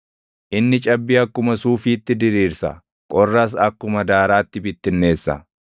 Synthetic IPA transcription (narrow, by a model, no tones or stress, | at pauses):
ʔɪnːɪt͡ʃʼɐbːiːɐkːʊmɐsuːfiːt̪ːɪd̪ɪɾiːɾsɐ̰ | kʼɔrːɐs̬ɐkːʊmɐd̪aːɾaːt̪ːɪbɪt̪ːɪnːe̞ːsːɐ̰